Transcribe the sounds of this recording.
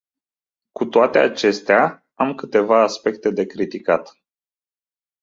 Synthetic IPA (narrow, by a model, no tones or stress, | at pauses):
kut̪oat̪e̞a̰t͡ʃe̞st̪ea | amkɨt̪e̞vaːspe̞k̚t̪e̞d̪e̞kɾit̪ikat̪